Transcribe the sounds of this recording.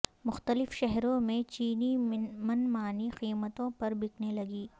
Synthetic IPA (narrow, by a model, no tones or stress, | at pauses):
mʊxt̪əlɪfʃɛɦɾõmẽt͡ʃiːnimɐnmaːniqiːmət̪õpɐɾbɪknelɐɡiː